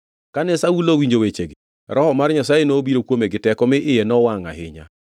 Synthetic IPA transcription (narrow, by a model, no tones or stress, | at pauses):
kanɛsaulowiɲd͡ʒowet͡ʃeɡɪ | ɾɔhɔmarɲasajenoːbiɾokwomeɡɪtɛkɔmɪʔɪjɛnɔwaŋa̰ɦɪ̰ɲa̰